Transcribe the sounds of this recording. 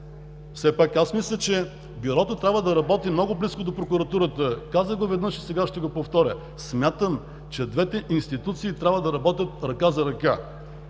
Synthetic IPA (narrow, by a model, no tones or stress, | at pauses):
fsɛpakasmislʲət͡ʃɛ | biɾɔt̪ot̪ɾʲabvəd̪ɐɾɐbɔt̪imnɔɡʊbliskod̪opɾokʊɾɐt̪uɾət̪əkazəɡovɛd̪nɤʃisɛɡaʃt̪ɛɡopoft̪ɔɾʲə̰ | smʲjat̪əm | t͡ʃɛd̪vɛt̪ɛʔinst̪it̪ut̪siːt̪ɾʲabvəd̪ɐɾɐbɔt̪ʲət̪̚ɾɐkazɐɾɐka